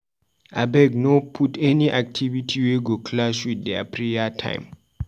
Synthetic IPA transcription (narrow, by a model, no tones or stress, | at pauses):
abɛɡ̚nopʰutɛniʔak̚tʰivitʰiweɡokʰlaswidːɛa̰pʰɹejatʰã̰ɪ̃m